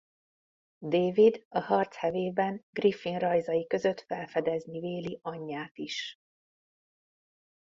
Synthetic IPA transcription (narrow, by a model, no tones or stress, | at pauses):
d̪eːvid̪ɒhɒrt̪shɛveːbɛŋɡrifinrɒjzɒjikø̞zø̞t̪fɛlfɛd̪ɛzniveːliʔɒɲːaːt̪iʃ